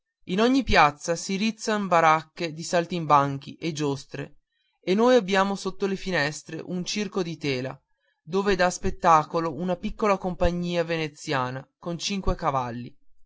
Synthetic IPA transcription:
inoɲːipjat̪sːasiɾit̪sːanbaɾakːed̪isalt̪imbaŋk̟iʔed͡ʒost̪ɾḛ | enːoːjabːjaːmosot̪ːolefinɛst̪ɾḛʔunt͡ʃirkod̪it̪ɛːla̰ | d̪oːved̪aspet̪ːaːkolounapikːolakompaɲːiːavenet̪sːjaːnakont͡ʃiŋkwekavalːi

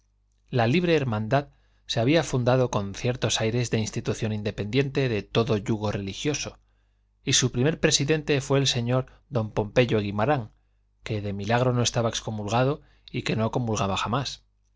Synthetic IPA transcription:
laliβ̞ɾe̞ːɾmãnd̪að | se̞aβiafund̪aðo̞ko̞nθje̞ɾt̪o̞sajɾe̞zðe̞inst̪it̪uθjo̞nind̪e̞pe̞nd̪je̞nt̪e̞ðe̞t̪o̞ðo̞ʝuɣ̞o̞re̞lixjo̞so | isupɾime̞ɾpɾe̞siðe̞nt̪e̞fwe̞ːlse̞ɲo̞ɾ | ðo̞mpo̞mpe̞ʎo̞ɣimaɾaŋ | ke̞ðe̞milaɣ̞ɾo̞no̞est̪aβae̞ksko̞mulɣaðo̞ | ike̞no̞ko̞mulɣaβaxamas

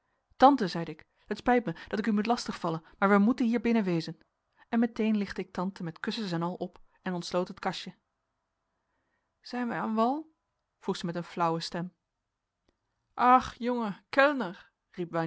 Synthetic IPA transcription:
tɑntəzɛjdəɪk | ɦətspɛjtməd̥ɑtɪkymutlɑstəχfɑlənmaːɹʋəmutənɦiːɹbɪnəʋejzən | ɛnmɛtejnlɪχtəɪk̚tɑntəmɛtkɵsəsɛnɑlˠɔp | ɛnɔntslowtɦətkɑʃə | z̥ɛjnʋəaːnʋɑlˠ | v̥ruχz̥əmɛtənflʌwəstɛm | ʔɑχjɔŋəkɛlnəɹ | ripʋɑ

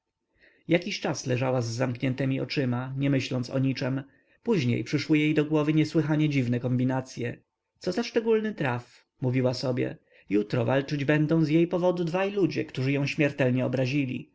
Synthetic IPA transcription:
jakʲiɕt͡ʂaslɛʐawazːamkɲɛnt̪ɛmʲiɔ̰t͡ʂɘmaɲɛmɘɕlɔnt̪sɔ̰ɲit͡ʂɛm | puʑɲḛjpʂɘʂwɘjejd̪ɔɡwɔvɘɲɛswɘxaɲɛd͡ʑivnɛkɔmbʲinat̪sʲjɛ | t̪sɔzaʂt͡ʂɛɡulnɘt̪ɾaf | muvʲiwasɔbʲjɛ̰ | jut̪ɾɔvalt͡ʂɘd͡ʑbɛnd̪ɔ̃w̃zjejpɔvɔd̪ud̪vajlud͡ʑɛ̰kt̪uʐɘjɔ̃w̃ɕmʲjɛɾt̪ɛlɲɛɔbɾaʑilʲḭ

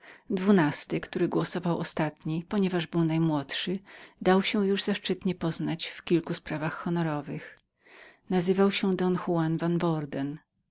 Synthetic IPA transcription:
d̪vunast̪ɘkt̪uɾɘɡwɔsɔvawʔɔst̪at̪ɲipɔɲɛvaʐbɘwnajmwɔt̪ʂɘd̪awɕɛ̃juʐzaʂt͡ʂɘt̪ɲɛpɔznat͡ɕfkʲilkuspɾavaxxɔnɔɾɔvɘx | nazɘvawɕɛd̪ɔnxuanvanbɔɾd̪ɛn

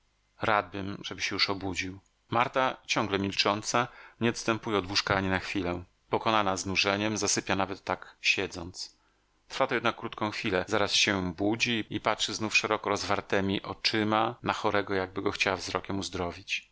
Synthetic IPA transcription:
ɾad̪̚bɘmʐɛbɘɕɛjuʂɔbud͡ʑiw | maɾt̪at͡ɕɔ̃ŋɡlɛmʲilt͡ʂɔnt̪saɲɛɔt̪st̪ɛmpujɛɔd̪wuʂkaaɲinaxfʲilɛ | pɔkɔnanaznuʐɛɲɛmzasɘpʲjanavɛt̪ːakɕɛd̪zɔnt̪s | t̪ɾ̥fat̪ɔjɛd̪nakːɾut̪kɔ̃w̃xfʲilɛzaɾasɕɛbud͡ʑiipatʂɘznufʂɛɾɔkɔɾɔzvaɾt̪ɛmʲiʔɔt͡ʂɘmanaxɔɾɛɡɔjaɡ̚bɘɡɔxt͡ɕawavzɾɔkʲɛmuzd̪ɾɔvʲit͡ɕ

